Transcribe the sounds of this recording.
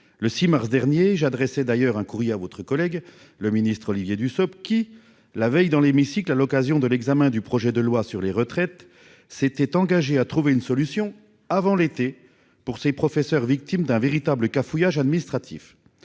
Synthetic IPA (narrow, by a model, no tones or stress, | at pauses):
ləsimaʁs̬d̪ɛʁnjeʒad̪ʁɛsɛd̪ajœʁɛ̃kuʁjeavɔt̪χəkɔlɛɡ | ləminist̪χɔlivjed̪ysɔpkʲi | lavɛjd̪ɑ̃lemisiklalɔkazjɔ̃d̪əlɛɡzamɛ̃d̪ypχɔʒɛd̪əlwasyʁleʁət̪χɛt̪ | set̪ɛt̪ɑ̃ɡaʒeat̪χuveynsɔlysjɔ̃ | avɑ̃let̪e | puʁsepχɔfɛsœʁvik̚t̪imd̪ɛ̃veʁit̪abləkafujaʒad̪minist̪χat̪ḭf